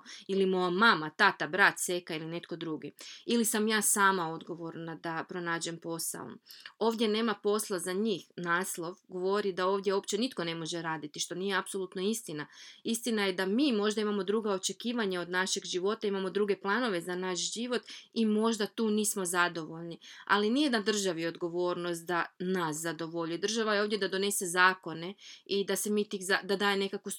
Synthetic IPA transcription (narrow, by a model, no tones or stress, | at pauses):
ilimo̞jamamat̪at̪abɾat̪se̞kailine̞t̪̚ko̞d̪ɾuɡiilisamjaːsaːmao̞d̪ɡo̞ʋo̞ɾnad̪apɾo̞naːd͡ʑe̞mpo̞sa̰o̰o̞ːʋd̪ʲje̞ne̞ːmapo̞slˠazaɲiːxnaːslˠo̞ʋɡoʋo̞ɾid̪ao̞ːʋd̪je̞opt͡ɕe̞nit̪ko̞ne̞mo̞ʒe̞ɾaːd̪it̪iʃt̪o̞nije̞apso̞lˠuːt̪no̞ist̪inaist̪inaje̞d̪amiːmo̞ʒd̪aimamo̞d̪ɾuɡao̞t͡ʃe̞kiːʋaɲao̞d̪naʃe̞ɡʒiʋo̞t̪aimamo̞d̪ɾuːɡe̞plˠano̞ʋe̞zanaʃʒiʋo̞t̪imo̞ʒd̪at̪uːniːsmo̞zad̪o̞ʋo̞ʎnia̰linijed̪ad̪r̩ʒaʋio̞d̪ɡo̞ʋo̞ːɾno̞st̪̚d̪anaszad̪o̞ʋo̞ʎujd̪r̩ʒaʋajeo̞ːvd̪jed̪ad̪o̞ne̞se̞zaːko̞ne̞id̪ase̞miːt̪izad̪ad̪aːjemne̞kaku